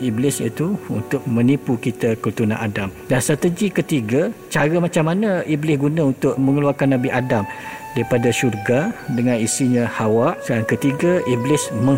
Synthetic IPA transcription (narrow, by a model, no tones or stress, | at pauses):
iblɪsḭt̪uunt̪ʊk̚mə̃nipukit̪akult̪unã̰ʔa̰damdanst̪ɾat̪əd͡ʒikət̪iɡat͡ʃaɾəmat͡ʃamːanəiblɪsɡunãunt̪ʊʔ̚mə̃ŋəluarkanːãbiʔadamdaɾipadaʃurɡadəŋãnisiɲə̃hawaʔsəaŋkət̪iɡaʔiblɪsmə̃